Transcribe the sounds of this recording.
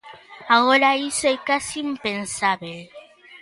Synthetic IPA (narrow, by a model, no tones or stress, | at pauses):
aɣoɾaisoekasiːmpensaβel